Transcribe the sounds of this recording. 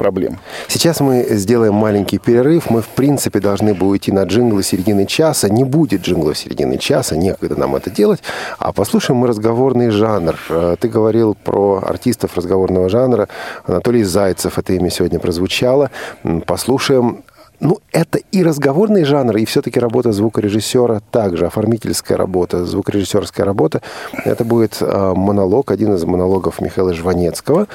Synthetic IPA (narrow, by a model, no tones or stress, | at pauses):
pɾɐblʲḛmsʲɪt͡ɕasmɨzʲdʲe̞lˠəjɪmːalʲɪnʲkʲɪjpʲɪɾʲɪrɨfmɨfpɾʲint̪sɨpʲɪd̪ɐlˠʐnɨbɨʊjtʲinɐʐɨnɡlˠɨsʲɪɾʲɪdʲinɨt͡ɕasənʲɪbudʲɪt̪̚ʐɨnɡlˠəfsʲɪɾʲɪ̰dʲḭnɨ̰t͡ɕasənʲe̞kəɡd̪əna̰mɛ̰t̪ədʲe̞lˠətʲa̰pɐslˠuʂəjɪmːɨɾəzɡɐvo̞rnɨjʐanrt̪ɨɡəvɐɾʲilˠpɾoɐ̰rtʲist̪əfrəzɡɐvo̞rnəvəʐanɾəɐ̰nɐt̪olʲɪjzajt̪səfɛt̪əɪmʲosʲɪvo̞dʲnəpɾəzvʊt͡ɕalˠəpɐslˠuʂəjɪmnuɛt̪əiɾəzɡɐvo̞rnɨjəʐanrɨɪfsʲɵt̪əkʲɪɾɐbo̞t̪əzvukəɾʲɪʐɨsʲːo̞ɾət̪aɡʐɨɐfɐrmʲitʲɪlʲskəjə̰ɾɐ̰bo̞t̪əzvukɾʲɪʐɨsʲːo̞rskəjə̰ɾɐbo̞t̪əɛ̰t̪əbudʲɪt̪əmənɐlˠo̞kɐdʲinɨzmənɐlˠo̞ɡəfmʲɪ̰xɐilˠəʐvɐnʲe̞t̪skəvə